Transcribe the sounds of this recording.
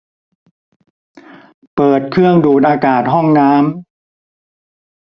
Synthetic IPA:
pɤː˨˩t̪̚kʰɯ˥˩əŋduː˨˩t̪̚ʔaː˧kaː˨˩t̪̚ɦɔ˥˩ŋnaː˦˥m

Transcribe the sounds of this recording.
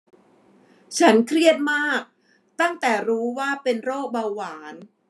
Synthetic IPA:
t͡ɕʰa˦˥nkʰɾi˥˩ət̪̚maː˥˩k̚ | t̪a˥˩ŋt̪ɛː˨˩ɾuː˦˥waː˥˩pe˧nɾoː˥˩k̚ba˧wwaː˩˦n

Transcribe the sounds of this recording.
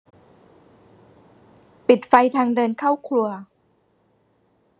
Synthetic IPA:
pi˨˩t̪̚fa˧jt̪ʰaː˧ŋdɤː˧nkʰa˥˩wkʰlu˧ɐ

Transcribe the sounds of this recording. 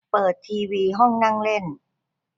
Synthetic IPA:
pɤː˨˩t̪ʰːiː˧wiː˧ɦɔ˥˩ŋna˥˩ŋle˥˩n

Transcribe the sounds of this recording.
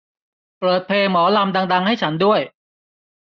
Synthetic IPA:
pɾɤː˨˩t̪̚pʰeː˧ŋmɔː˩˦la˧mda˧ŋda˧ŋha˥˩jt͡ɕʰa˦˥ndu˥˩əj

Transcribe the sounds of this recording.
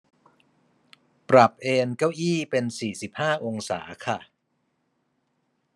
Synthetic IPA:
pɾa˨˩p̚ʔeː˧nka˥˩wʔiː˥˩pe˧nsiː˨˩si˨˩p̚haː˥˩ʔo˧ŋsa̰ː˩˦kʰa˥˩

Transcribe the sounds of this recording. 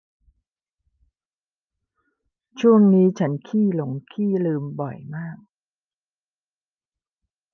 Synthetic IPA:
t͡ɕʰu˥˩əŋniː˦˥t͡ɕʰa˦˥nkʰiː˥˩lo˨˩˦ŋkʰiː˥˩lɯː˧mbɔ˨˩jmaː˥˩k̚

